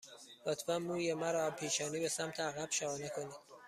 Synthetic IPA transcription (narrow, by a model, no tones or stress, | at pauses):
lot̪ʰbæmːuːjemæɾɒæpʰiːʃɒːniːbesæmt̪ʰeæɣæb̥ʃæɒːnekʰoniːd̪̥